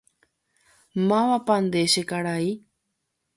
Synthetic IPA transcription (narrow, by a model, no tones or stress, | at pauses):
mãʋãpand̪eʃekaɾai